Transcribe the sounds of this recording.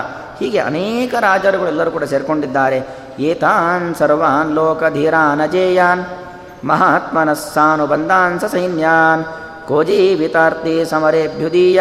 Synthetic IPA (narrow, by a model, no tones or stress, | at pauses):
hiːɡeʔɐ̰neːkɐɾaːd͡ʒɐɾuɡɐɭɛlːɐɾuːkuːɽaseːɾkoɳɖid̪ːaːɾe | jeːt̪aːnsɐɾʋaːnloːkɐd̪ʱiːɾaːnɐd͡ʒeːjaːn | mɐɦaːt̪mɐnɐsːaːnubɐnd̪ʱaːnsɐsɐjnjaːn | koːd͡ʒiːʋit̪aːɾt̪isɐmɐɾeːbʱjud̪iːj